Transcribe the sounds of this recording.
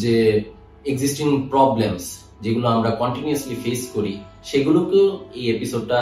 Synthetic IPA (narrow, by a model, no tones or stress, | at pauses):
d͡ʑe | eɡzisʈiŋpɾɔblems | d͡ʑeɡuloamɾakɔɳʈinioslifeskoɾi | ʃeɡulokeejepisoɖ̚ʈa